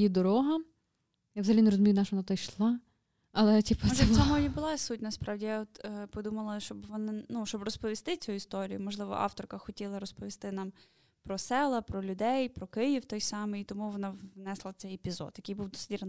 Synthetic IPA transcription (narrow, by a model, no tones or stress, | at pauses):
jid̪ɔɾɔɦɐ | jaʋzɐɦɐlʲinɾɔzʊmʲijnɑʃʋɔnat̪ɔjʃlˠɑ | ɐlˠɛtʲipɐɔʒʲɛsʲamɔjibʊlˠɑsutʲnɐspɾɑwdʲijaɔt̪ːpɔd̪umɐlˠɐʃt͡ʃɔbʋɔnɪnuʃt͡ʃɔbrɔspɔʋʲist̪ɪt͡sʲuist̪ɔɾʲijʊmɔʒlˠɪʋɔ̰ʔɑ̰ft̪ɔrkɐxɔtʲilˠɐɾɔspɔʋʲist̪ɪnɑm | pɾɔsɛlˠɐpɾɔlʲʊd̪ɛjpɾɔkɪjiwt̪ɔjsɑmɨjit̪ɔmuʋɔnɑʋnɛslˠɐsɛjepʲizɔ̰d̪jɐkɪjbuwd̪ɔsɪtʲirn